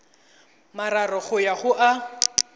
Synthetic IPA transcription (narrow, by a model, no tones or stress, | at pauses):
maɾarɔɣʊjaχʊʔa